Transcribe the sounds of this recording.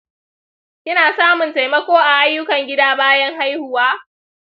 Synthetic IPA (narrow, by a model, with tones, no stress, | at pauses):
kʲɪ˦naː˨saː˦mʊ˨nta˨jmɐ˦kʷoː˦ʔa˨ʔa˦jːʊ˦kɐ˨ŋɡʲɪ˦daː˦baː˦jɐ˦ŋha˦jhʊ˨waː˦